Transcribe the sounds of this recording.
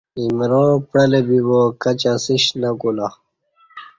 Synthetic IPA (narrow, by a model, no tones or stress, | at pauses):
imɾopɽɐlebibokat͡ɕasiɕnakula